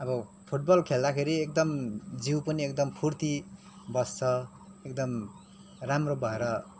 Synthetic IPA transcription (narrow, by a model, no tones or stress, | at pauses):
ʌbʌpʰuʈ̚bʌlkʰeld̪akʰeɾiek̚d̪ʌmd͡ziwpʌniek̚d̪ʌmpʰurt̪i | bʌst͡sʰʌ | ek̚d̪ʌm | ramrobʌeɾʌ